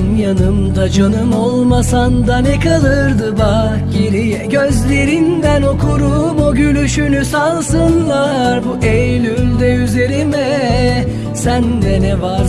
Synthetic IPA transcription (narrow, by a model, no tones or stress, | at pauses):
njanɯmd̪ad͡ʒʰanɯmolˠmasand̪anɛkalˠɯɾd̪ɯba | ɟeɾijɛɟøzlʲe̞ɾind̪æno̞kʰuɾumoɟylʲyʃynysalˠsɯnlˠaɾbuʔejlʲymd̪ɛyze̞ɾimɛ | sænd̪ɛnɛvaɾ